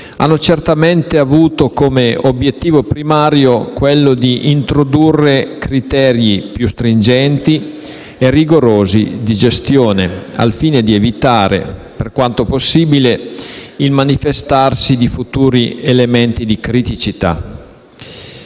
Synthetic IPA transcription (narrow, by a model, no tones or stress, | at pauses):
a̰nːot͡ʃert̪ament̪eavuːt̪okomeobjet̪ːiːvopɾimaːɾjokwelːod̪iʔint̪ɾod̪urːekɾit̪ɛːɾjipjust̪ɾind͡ʒɛnt̪i | erːiɡoɾoːzḭd̪id͡ʒest̪joːnea̰lfiːned̪ievit̪aːɾḛ | perkwant̪oposːiːbileilmanifest̪arsid̪ifut̪uːɾielement̪id̪ikɾit̪it͡ʃit̪a̰